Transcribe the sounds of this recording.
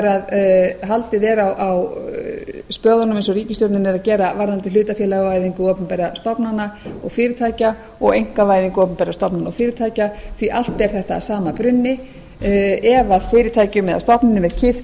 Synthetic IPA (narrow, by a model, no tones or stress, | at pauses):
ɛɾaðɦalt̪ɪðɛːɾawʔaw | spœːɣʏnʏmɪnsɔriːcɪst̪œwp̪nɪnɛɾacɛːɾavaɾðant̪ɪ̥ʏːt̪afjɛːlaɣavaːjðiŋkʏɔːpʏmpɛɾast̪ɔpnanːaɔɣfɪːɾɪt̪ʰaːjca | ɔɣejŋ̥kavaːjðiŋkʏɔːpʏmpɛɾast̪ɔpnanaɔfɪːɾɪt̪ʰaːjcaθviʔal̥t̪̚pɛɾ̥θɛht̪aːsaːmapɾʏnːɪ | ɛvaðfɪːɾɪt̪ʰaːjcʏmɛða̰st̪ɔpnɪnʏmɛð̥cʰɪft̪